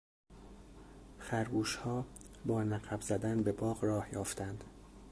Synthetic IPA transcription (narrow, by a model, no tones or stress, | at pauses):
xæɾɡuːʃhɒːbɒːnæɣæbzæd̪ænbe̞bɒːɢrɒːhjɒːft̪ænd̪̥